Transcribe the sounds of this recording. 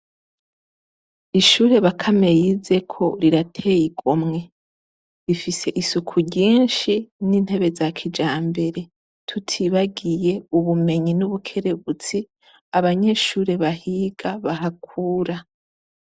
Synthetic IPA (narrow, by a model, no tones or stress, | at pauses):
iʃuːɾe̞βakʰame̞jize̞kʰo̞ɾiɾatʰe̞jiɡomŋe̞ | ɾifise̞ʔisukʰuɾɟiːnʃinin̥he̞βe̞zakʰid͡ʒaːmbe̞ɾe̞ | tʰutʰiβaɡije̞uβume̞ɲinuβukʰe̞ɾe̞βut͡si | aβaɲe̞ʃuːɾe̞βahiɡ̥aβaɦakʰuːɾa